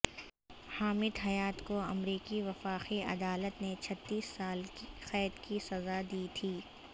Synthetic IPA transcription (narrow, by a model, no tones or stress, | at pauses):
haːmɪd̪ɦɐjaːt̪koɐmɾiːkiʋɐfaːqiɐ̰d̪aːlət̪net͡ʃʰɐt̪ːiːsːaːlxɛːd̪kisɐzad̪iːt̪ʰiː